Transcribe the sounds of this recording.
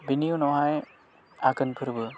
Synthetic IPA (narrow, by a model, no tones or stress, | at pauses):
binijunɔɦaj | akənpʰɯɾbɯ